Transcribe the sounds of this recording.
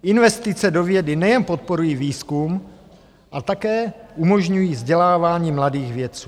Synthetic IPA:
ʔɪnvɛst̪ɪt͡sɛdo̞vjɛdɪnɛjɛnpot̪̚po̞ɾujiːviːskum | ʔat̪akɛːʔumo̞ʒɲujiːvzɟɛlaːvaːɲiːmladiːxvjɛt͡suː

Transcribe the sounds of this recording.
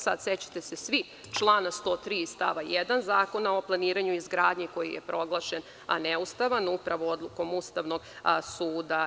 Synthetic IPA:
sa̰d̪set͡ɕḁt̪esesʋi | t͡ʃlˠaːnast̪o̞ːt̪ɾiːst̪aʋajɛd̪anzaːkonao̞plˠaniːɾaɲuizɡɾaːd̪ɲiko̞jḭjḛpɾʔo̞ɡlˠaʃen | a̰neust̪aʋanupɾaʋoo̞d̪lˠuko̞must̪aʋno̞ɡsuːd̪a

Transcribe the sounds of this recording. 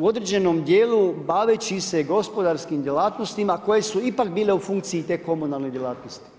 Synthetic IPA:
uo̞d̪ɾed͡ʑe̞nomd̪jeːlubaʋet͡ɕise̞ɡo̞spo̞d̪aɾskimd̪jelaːt̪no̞st̪imako̞je̞suipak̚biːle̞ufuŋkt̪siːt̪e̞ːko̞munalˠned̪jelˠaːt̪nost̪i̥

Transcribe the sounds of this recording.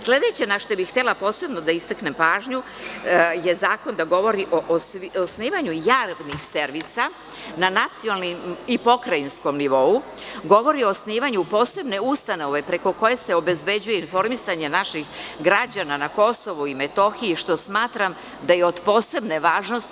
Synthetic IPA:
sle̞d̪e̞t͡ɕenaʃt̪obixxt̪elˠapo̞ːse̞bno̞d̪aist̪akne̞mpaːʒɲu | je̞zaːko̞nd̪aɡo̞ʋo̞ɾiʔoʔosniːʋaɲujaːʋnixseɾʋisa | nanat̪siolnimipo̞kɾainsko̞mniʋo̞u | ɡo̞ʋo̞ɾio̞sniːʋaɲupo̞ːse̞bne̞ust̪ano̞ʋe̞pɾe̞ko̞ko̞je̞se̞obe̞zbe̞d͡ʑuje̞info̞ɾmisaɲe̞naʃixɡɾad͡ʑananako̞so̞ʋuimet̪o̞xiiʃt̪o̞smaːt̪ɾam | d̪ajeo̞d̪po̞ːse̞bne̞ʋaːʒno̞st̪

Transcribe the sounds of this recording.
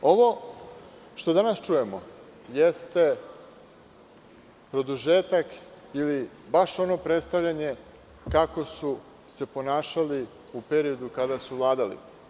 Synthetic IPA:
o̞ʋo̞ | ʃt̪o̞d̪anast͡ʃuje̞mo̞̰ | jest̪e̞ | pɾo̞d̪uʒeːt̪ak | ili | baʃo̞no̞pɾet̪st̪aʋʎʲaɲe | kako̞su | se̞po̞naːʃali | upe̞ɾio̞d̪ukad̪asuvlˠaːd̪alḭ

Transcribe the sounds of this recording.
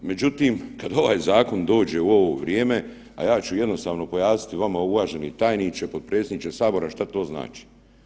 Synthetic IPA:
me̞d͡ʑut̪iːmkad̪o̞ʋaːjzaːko̞nd̪o̞ːd͡ʑe̞uo̞ʋo̞ʋɾje̞ːme̞ | a̰jaːt͡ɕuje̞d̪no̞st̪aːʋno̞po̞jaːsi̥t̪iʋamauʋaʒe̞nit̪aːjnit͡ʃepo̞d̪̚pɾe̞ːsed̪nit͡ʃesaːbo̞ɾaʃt̪at̪o̞ːzna̰ːt͡ʃi̥

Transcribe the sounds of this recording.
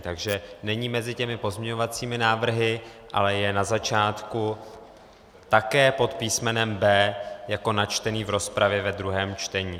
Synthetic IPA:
t̪aɡʒɛnɛɲiːmɛzɪcɛmɪpo̞zmɲɛɲo̞vat͡siːmɪnaːvr̩ɦɪ | ʔa̰lɛjɛnazat͡ʃaːt̪ku | t̪akɛːpo̞t̪piːsmɛnɛmbɛːjako̞nat͡ʃt̪ɛniːvɾo̞spɾʔavjɛvɛd̪ɾuɦɛːmt͡ʃt̪ɛɲiː

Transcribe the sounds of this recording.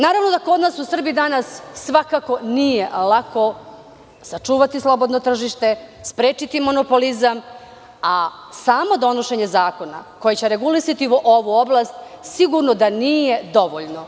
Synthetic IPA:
naːɾaʋno̞d̪ako̞d̪naːsusr̩bijid̪anasːʋakako̞nijelako̞ | sat͡ʃuːʋat̪islˠo̞bo̞d̪not̪r̩ʒiʃt̪e̞spɾeːt͡ʃit̪imo̞no̞po̞lizam | asaːmo̞d̪o̞no̞ʃe̞ɲe̞zaːkona̰ko̞jet͡ɕeɾeɡulisat̪iʔoʋuoblast̪siɡuɾnod̪anije̞d̪o̞ʋoʎno

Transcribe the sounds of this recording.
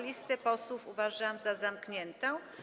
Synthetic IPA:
lʲist̪ɛpɔswufuvaʐamzazamkɲɛnt̪ɛ̃

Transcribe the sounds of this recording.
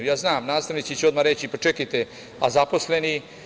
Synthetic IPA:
jaːznaːmnaːst̪aʋnit͡ʃ̪it͡ɕeo̞d̪maɾet͡ɕipat͡ʃekajt̪e | azapo̞sleni

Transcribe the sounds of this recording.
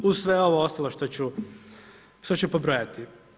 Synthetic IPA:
usʋeo̞ʋoost̪alˠoʃt̪ot͡ɕu | ʃt̪ot͡ɕupobɾojat̪i

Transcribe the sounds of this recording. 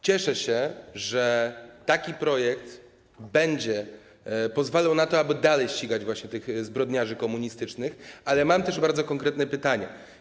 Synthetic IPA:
t͡ɕɛʂɛɕɛʐɛt̪akʲipɾɔjɛk̚t̪ | bɛɲd͡ʑɛ | pɔzvalawnat̪ɔabɘd̪alɛjɕt͡ɕiɡad͡ʑvwaɕɲɛt̪ɘxzbɾɔd̪ɲaʐɘkɔmuɲist̪ɘt͡ʂnɘxalɛmamt̪ɛʐbaɾd̪zɔkɔŋkɾɛt̪nɛpɘt̪aɲɛ̰

